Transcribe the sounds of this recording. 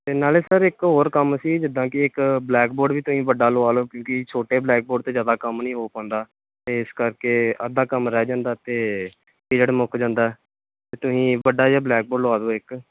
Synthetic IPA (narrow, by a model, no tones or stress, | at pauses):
t̪eːnaːleːsəɾɪkɦoːɾkəməsiːd͡ʒɪd̪ãːkɪɪkblɛːkboːɖʋiːt̪ʊsĩːʋəɖaːloaːloːkjõːkɪt͡ʃʰoːʈeːblɛːk̚boːɖt̪eːzjaːd̪aːkəmnəĩːɦoːpãːnd̪aː | t̪eːɪskəɾkeːə̰d̪aːkəmɾɛːd͡ʒãːnd̪aːt̪eː | ed͡ʒəɽemʊkd͡ʒãːnd̪aːɛː | t̪eːt̪ʊsĩːʋəɖaːjaːblɛːk̚boːɖlʊaːd̪oːɪk